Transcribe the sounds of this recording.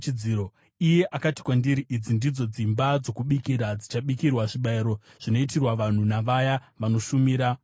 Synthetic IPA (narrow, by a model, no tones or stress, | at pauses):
t͡ʃid͡ziːɾo | ije̞ʔakati̥kwandiɾiʔid͡zindid͡zo̞d͡zimbad͡zo̞kuɓikiɾad͡zit͡ʃaɓikirwaʐiɓaeɾo̞ | ʐ̥ino̞itirwaʋan̤unaʋajaʋano̞ʃumiːɾa